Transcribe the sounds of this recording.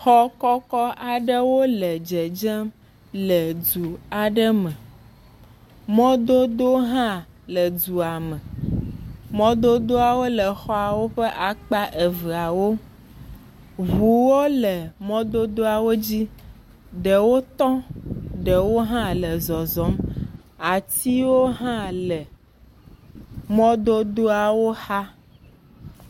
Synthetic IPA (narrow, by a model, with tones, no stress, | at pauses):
xɔ˦kɔ˦kɔ˦ʔa˨ɖə˦wo˦lə˨d͡ʒɛ˨d͡ʒɛ˦m | lə˨du˨a˨ɖə˦mɛ̃˨ | mɔ̃˦d̪o˦d̪o˦ɦã˦ | lə˨du˨a˨mɛ̃˨ | mɔ̃˦d̪o˦d̪o˦a˨wo˦lə˨xɔ˦a˨wo˦ɸɛ˦ʔa˨k͡pa˦ʔe˨və˨a˨wo˦ | βu˨wo˦lɛ˨mɔ̃˦d̪o˦d̪o˦a˨wo˦d͡ʑi˦ | ɖɛ˨wo˦t̪ɔ̃˦ɖɛ˨wo˦ɦã˦lɛ˨zɔ˨zɔ˨˦m | a˨t̪i˦wo˦ɦã˦lɛ˨ | mɔ̃˦d̪o˦d̪o˦a˨wo˦xa˦